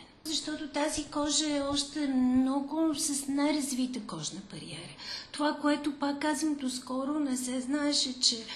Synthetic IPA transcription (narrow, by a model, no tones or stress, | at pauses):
zɐʃt̪ɔt̪ot̪azikɔʒəɛɔʃt̪ɛmnɔɡʊsɐsnajɾɐzvit̪əkɔʒnəbɐɾḭɛ̰ɾət̪ovakoɛt̪ʊpakːazvəmd̪oskɔɾʊnɛsɛznaɛʃɛt͡ʃɛ